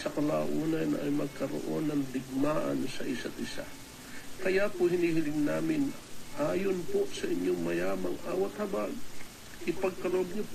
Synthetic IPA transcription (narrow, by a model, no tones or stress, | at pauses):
sɐkɐla̰ːʔuːnɐnɐ̰jmɐɡ̚kɐɾo̰ʔo̰nːɐŋd̪ɪɡ̚maːʔɐ̰nsɐʔɪsat̪ɪsa̰ | kɐjapohɪnhiːhɪlɪŋnaːmɪnʔaːjonposɐʔɪɲoŋmɐjaːmɐŋʔa̰ːwɐt̪hɐbaɡ | ʔɪpɐɡ̚kɐɾoʔob̚ɲop